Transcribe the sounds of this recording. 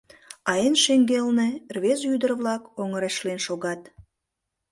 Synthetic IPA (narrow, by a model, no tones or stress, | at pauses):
ɑjenʃeŋɡelnerβezyd̪ərβlɑkoŋəɾeʃlenʃoɣɑt̪